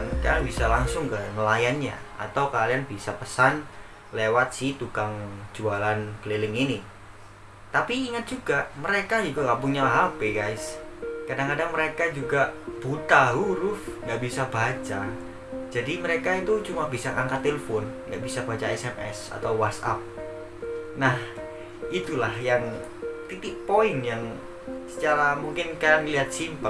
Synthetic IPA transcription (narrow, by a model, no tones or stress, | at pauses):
nkanbisalaŋsʊŋkəŋəlajanɲa̰a̰t̪awkalianbisapəsan | lewat̪̚siht̪ukaŋd͡ʒualankəlelɪŋini | t̪apiːŋət̪̚d͡ʒuɡaʔməɾekad͡ʒik̪ukabʊŋɲalɦapeɡajskadaŋkadaŋməɾekad͡ʒuɡaʔb̥ut̪aɦuɾʊfŋɡaʔbisabat͡ʃa̰ | d͡ʒadiməɾekait̪ut͡ʃumabisakaŋkat̪ːelefɔnŋɡa̰ʔbisabat͡ʃaɛsɛmʔɛ̰sa̰t̪awwasa̰p̚ | nah | it̪ulahjaŋ | t̪it̪ɪʔ̚poɪnjaŋ | sə̥t͡ʃaɾamuŋkɪnkanliɦat̪̚simpə